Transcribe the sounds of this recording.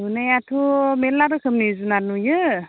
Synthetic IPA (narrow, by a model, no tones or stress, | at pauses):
unajatʰumelːaɾɯkʰɯmnizunanujɯ